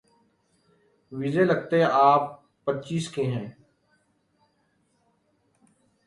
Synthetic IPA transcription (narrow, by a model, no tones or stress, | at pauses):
ʋizeləɡ̚t̪eɛ̃ʔaːpː | ətːt͡ʃiːskeːɦɛ̃ː